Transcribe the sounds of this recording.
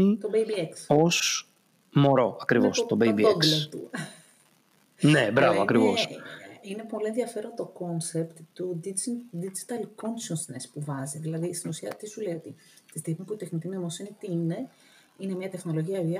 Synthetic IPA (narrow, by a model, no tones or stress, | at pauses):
t̪obejbieksos | mo̞ɾo̞ɐkɾivo̞st̪obebiobkslot̪ṵ | nebɾɐvoɐkɾivo̞sine̞po̞lie̞nðjɐfe̞ɾont̪o̞ko̞nsept̪t̪ud̪id̪id͡ʒi̥t̪ɐlkonsonsnespuvɐziðilɐðist̪inusiɐt̪isulejo̞t̪i | t̪i̥st̪ixmepuit̪exnit̪inomosinit̪iine̞ | inemɲɐt̪exno̞lo̞ʝiɐviɐ